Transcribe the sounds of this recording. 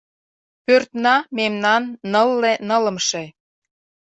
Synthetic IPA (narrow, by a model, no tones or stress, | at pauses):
pørt̪nɑmemnɑnːəlːenə̆lə̆mʃe